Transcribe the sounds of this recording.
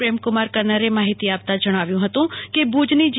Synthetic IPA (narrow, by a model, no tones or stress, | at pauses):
ɾeːmkʊmaːɾkəɐɾnəɾemaːɦɪt̪iaːbt̪ad͡ʒɐɽ̃aːʋjũɦɐt̪ũkebuːd͡ʒnid͡ʒ